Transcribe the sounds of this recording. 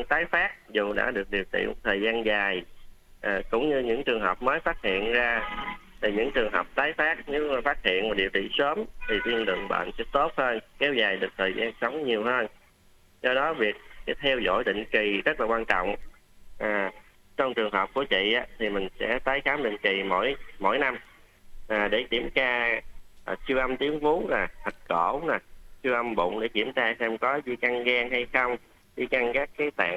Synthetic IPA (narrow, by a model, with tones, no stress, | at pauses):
ŋt̪aː˨˦jfaː˦˥k̚zu˨˩ɗa̰ː˧˥ɗɨ˨˩ək̚ɗi˨˩əwt͡ɕḭ˧˨˧t̪ʰəː˨˩jzaː˧nzaː˨˩j | ʔaː˨˩kʊ̰˧˥ŋ͡mɲɨ˧ɲɨ̰˧˥ŋt͡ɕɨ˨˩əŋɦəː˨˩wp̚məː˨˦jfaː˦˥t̚hḭ˧˨ənzaː˧t̪ʰi˨˩ɲɨ̰˧˥ŋt͡ɕɨ˨˩əŋɦəː˨˩wk͡p̚t̪aː˨˦jfaː˦˥k̚ɲɨ˨˦maː˨˩faː˦˥t̚hḭ˧˨ənmaː˨˩ɗi˨˩əwt͡ɕḭ˧˨səː˨˦mt̪ʰi˨˩t̪i˧ənlɨ̰˧˨əŋɓa̰ː˧˨nsɛ̰˧˥t̪o˦˥t̚həː˧nkɛ˨˧wzaː˨˩jɗɨ˨˩ək̚t̪ʰəː˨˩jzaː˧nsə˨˦wŋ͡mɲi˨˩əwɦəː˧n | zɔ˧ɗɔ˨˦vi˨˩ək̚sɛ˨˦jt̪ʰɛ˧wzo̰˧˥jɗ̪ḭ˧˨ŋ̟ki˨˩zə˦˥t̚laː˨˩kwaː˧nt͡ɕɔ̰˧˨wŋ͡m | ʔaː˨˩ | t͡ɕɔ˧wŋ͡mt͡ɕɨ˨˩əŋɦəː˨˩p̚ku˧˩ət͡ɕḭ˧˨ʔaː˨˦t̪ʰi˨˩mï˨˩ŋ̟sɛ̰˧˥t̪aː˨˦jxaː˨˦mɗḭ˧˨ŋ̟ki˨˩mo̰˧˥˨jmo̰˧˥˨jna˧m | ʔaː˨˩ɗe˧˩t͡ɕi˧˩əmt͡ɕaː˧˨˩ | t͡ɕɨ˧əʔə˧mt̪i˨˦əŋfu˨˦laː˨˩t̪ʰə˨˩t̚ko˧˩na˨˩t͡ɕɨ˧ʔə˧mɓʊ̰˧˨ŋ͡mɗe˧˩ki˧˩əmt͡ɕaː˧sɛ˧mkɔ˨˦zi˧ka˧ŋɣaː˧ŋha˧jxə˧wŋ͡m | zi˧ka˧ŋkaː˦˥kːaː˨˦jt̪a̰ː˧˨